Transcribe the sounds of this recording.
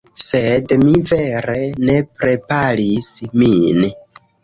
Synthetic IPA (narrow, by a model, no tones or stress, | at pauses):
sedmive̞ɾe̞ne̞pɾe̞paɾismin